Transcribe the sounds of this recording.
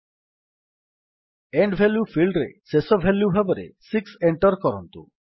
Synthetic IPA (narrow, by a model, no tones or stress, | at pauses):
eɳɖbʱeljufʰilɖɾesesɔbʱeljubʱabɔɾḛsikseɳʈɔɾkɔɾɔnt̪ṵ